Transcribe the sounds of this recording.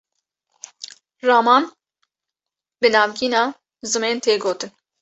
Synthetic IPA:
rɑːmɑːn | bɨnɑːvɡiːnɑː | zɨmeːnt̪ʰeːɡoːt̪ʰɨn

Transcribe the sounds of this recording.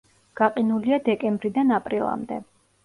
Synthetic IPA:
ɡ̥aqʼinuliad̪ɛkʼɛmbɾid̪anapʼɾilˠa̰md̪ɛ̰

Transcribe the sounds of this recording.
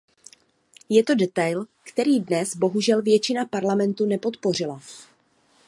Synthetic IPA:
jɛt̪o̞dɛt̪ajlkt̪ɛɾiːdnɛzbo̞ɦuʒɛlvjɛt͡ʃɪnapaɾlamɛnt̪unɛpo̞t̪por̝ɪla

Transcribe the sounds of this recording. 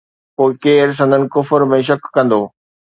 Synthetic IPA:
poːɪkeːɾs̬ɐ̃nd̪ʱənɪ̆kʊfəɾmẽʃ̬ɐkːɐ̃nd̪oː

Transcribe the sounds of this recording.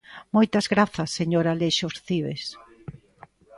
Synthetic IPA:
mojt̪ɐzɣɾaθɐsːeɲoɾaleʃosθiβḛs

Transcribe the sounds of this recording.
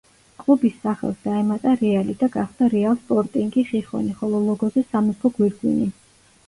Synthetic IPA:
kʼlubisːaχɛ̰lˠsd̪̥aɛmat̪ʼaɾɛalid̪aɡaχd̪̥aɾɛalˠspʼɔɾt̪ʼiŋɡiχiχɔ̰niχɔlˠɔlˠɔɡɔzɛsamɛpʰɔɡwiɾɡwḭni

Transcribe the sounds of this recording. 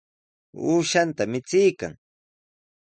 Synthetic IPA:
uːʃant̪amɪt͡sɪjka̰ŋ

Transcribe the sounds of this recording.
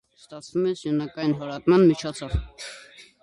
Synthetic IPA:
st̪ɑt͡sʰvumɛsjunɑkɑjinɦɔɾɑt̪mɑnmit͡ʃʰɔt͡sʰɔv

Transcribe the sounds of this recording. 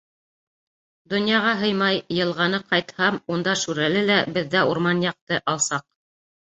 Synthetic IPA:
d̪ŏnjɑʁɑɦɤjmɑjːɤ̆lˠʁɑnɤqɑjt̪hɑmund̪ɑʃʉɾælɘlæbɘ̆ðːæuɾmɑnjɑq̚t̪ɤʔɑlˠsɑq̚

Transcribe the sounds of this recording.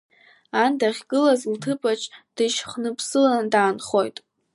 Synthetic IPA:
andaχʲɡɨlazltʰɨpʼat͡ʃʰʼd̥ɨʃχnɨpʰsɨlandaːnχo̞jtʼ

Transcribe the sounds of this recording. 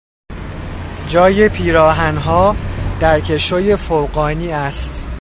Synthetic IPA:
d͡ʒɒːjepʰiːɾɒːɦænɦɒːd̪̥æɾcʰe̞ʃoje̞fowɣɒːniːæst̪

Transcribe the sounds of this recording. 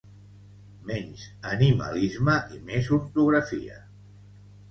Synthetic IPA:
mɛɲzənimə̰lizməʔimezuɾt̪uɣɾəfḭə̰

